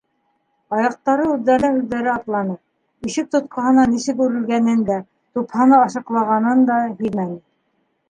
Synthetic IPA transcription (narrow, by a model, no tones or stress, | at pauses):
ɑjɑq̚t̪ɑɾɤʉðːæɾnɘnʉðːæɾɘɑt̪lˠɑnɤ | iʃɘk̚t̪ŏt̪̚qʰɑɦɤ̆nɑniʃɘkʉɾɘ̆lɡænɘnd̪æ | t̪uphɑnɤːʃɤ̆qlˠɑʁɑnɤnd̪ɑɦijmænɘ